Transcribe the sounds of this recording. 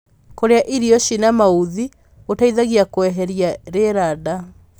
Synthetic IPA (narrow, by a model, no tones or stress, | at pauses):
koɾeaʔiɾiɔʃinamauði | otaiðaɣiakowɛɦɛɾiaɾeɾada